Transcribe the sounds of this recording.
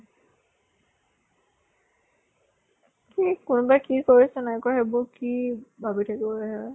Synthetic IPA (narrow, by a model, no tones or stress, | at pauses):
kikʊnʊbajkikoɹisɛnajkɔxebʊkibʱabitʰakibɔlɛɦɛ